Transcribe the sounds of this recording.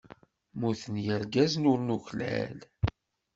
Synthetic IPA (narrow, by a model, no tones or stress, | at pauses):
muθənjəɾɡæznʊɾnuçlæ̰l